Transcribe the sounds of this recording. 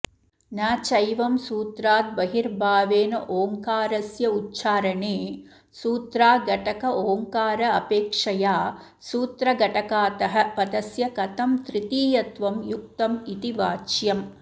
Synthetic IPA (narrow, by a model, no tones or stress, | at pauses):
naːt͡ʃɐjʋɐmsuːt̪ɾaːt̪̚bɐɦiɾbʱaːʋeːnɐʔoːŋkaːɾɐsjɐutːʃaːɾɐɳeː | suːt̪ɾaːɡɐʈɐkɐʔoːŋkaːɾɐɐpeːkʂɐjaː | suːt̪ɾɐɡɐʈɐkaːt̪ɐɦɐ̆pɐd̪ɐsjɐkɐt̪ɐmt̪ɾit̪iːjɐt̪ʋɐmjuk̚t̪ɐmit̪iʋaːt͡ʃjɐm